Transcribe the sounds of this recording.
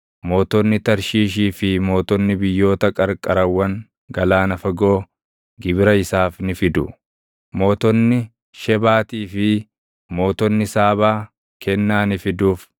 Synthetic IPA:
mo̞ːt̪ɔnːɪt̪ɐɾʃiːʃiːfɪmo̞ːt̪ɔnːɪbɪjːo̞ːt̪ɐkʼɐɾkʼɐɾɐwːɐŋ | ɡɐlaːnɐfɐɡo̞ː | ɡɪbɪɾɐɪsaːfnɪfɪd̪ʊ | mo̞ːt̪ɔnːɪ | ʃɛbaːt̪iːfɪ | mo̞ːt̪ɔnːɪsaːbaː | kɛnːaːnɪfɪd̪uːf

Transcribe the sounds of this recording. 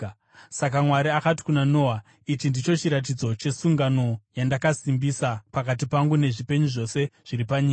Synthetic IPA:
sak̬amwaɾiakati̥kunano̞ːwa | it͡ʃindit͡ʃo̞t͡ʃiɾat̬id͡zo̞t͡ʃe̞suŋɡano̞jandakasimbisapakat̬ipaŋɡune̞ʐipe̞ɲuʐo̞se̞ʐ̥iɾipaɲiːka

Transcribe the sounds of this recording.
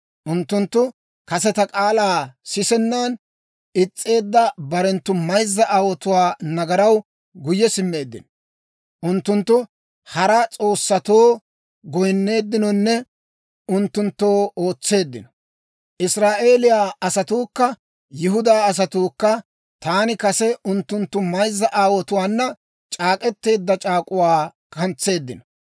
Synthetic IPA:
ʔʊnt̪ːʊnt̪ːʊ | kɐs̬ɛt̪ɐkʼaːlaːsɪsɛnːan | ɪt͡sʼːe̞ːd̪ːɐbɐɾɛnt̪ːʊmɐjzːɐʔawɔt̪ʊwaːnɐɡɐɾɐw | ɡʊjːɛsɪmːe̞ːd̪ːɪ̰nɔ | ʔʊnt̪ːʊnt̪ːʊ | hɐɾɐt͡sʼo̞ːsːɐt̪oː | ɡɔjnːe̞ːd̪ːɪnɔnːɛ | ʊnt̪ːʊnt̪ːoːo̞ːt͡sːe̞ːd̪ːɪ̰nɔ̥ | ʔɪsɾaːʔe̞ːlɪjaːɐsɐt̪uːkːɐ | jɪɦʊd̪aːɐs̬ɐt̪uːkːɐ | t̪aːnɪkɐsɛʊnt̪ːʊnt̪ːʊmɐjzːɐʔaːwɔt̪ʊwaːnːɐ | t͡ʃʼaːkʼɛt̪ːe̞ːd̪ːɐt͡ʃʼaːkʼʊwaː | kʰɐnt͡sːe̞ːd̪ːɪnɔ

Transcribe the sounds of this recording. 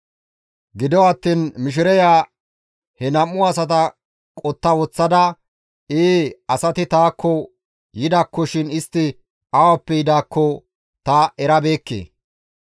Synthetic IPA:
ɡɪd̪ɔwɐt̪ːiːnmɪʃ̬ɪɾɛjaː | hɛnɐmːʊɐsɐt̪ɐ | kʼɔt̪ːɐwɔt͡sːɐd̪ɐ | eːɐsɐt̪ɪt̪aːkʰːɔ | jɪd̪ɐkːɔʃɪnɪst̪ːɪ | ɐwɐpːɛjɪd̪aːkʰːɔ | t̪ɐɛɾɐbe̞ːkːḛː

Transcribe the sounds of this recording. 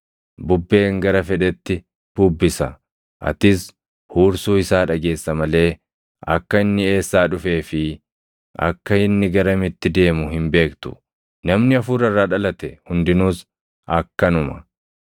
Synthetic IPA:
bʊbːe̞ːŋɡɐɾɐfɛᶑɛt̪ːɪ | b̥ʊbːɪsɐ | ʔɐ̰t̪ɪs | huːɾsuːɪsaːᶑɐɡe̞ːsːɐmɐle̞ː | ɐ̰kːɐɪnːɪe̞ːsːaːᶑʊfe̞ːfɪ | ʔɐ̰kːɐɪnːɪɡɐɾɐmɪt̪ːɪd̪e̞ːmʊhɪmbe̞ːkt̪ʊ̥̰ | nɐmnɪɐfuːɾɐrːaːᶑɐlɐt̪ɛhʊnd̪ɪnuːs | ʔɐkːɐnʊmɐ̥

